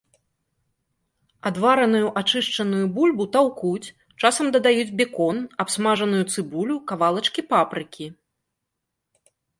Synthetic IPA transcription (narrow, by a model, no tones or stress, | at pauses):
ad̪vaɾɐnujuʔat͡ʂɨʂt͡ʂɐnujubulʲbut̪awkut͡sʲ | t͡ʂasɐmd̪ɐd̪ajud͡zʲbʲɛkɔnapsmaʐɐnujut̪sɨbulʲukavalˠɐt͡ʂkʲipapɾɨkʲi